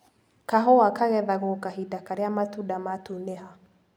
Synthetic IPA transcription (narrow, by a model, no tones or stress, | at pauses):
kaɦɔakaɣɛðaɣokaɦidakaɾeamatudamatuneɦa